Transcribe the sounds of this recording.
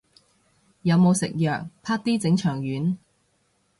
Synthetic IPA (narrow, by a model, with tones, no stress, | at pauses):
jɐ˨˧wmo˨˧wsɪ̰˨k̚jœː˨˩k̚pʰaː˥k̚t̪iː˥t͡sɪ˨˥ŋt͡ʃʰœː˨˩ŋjyː˨˥n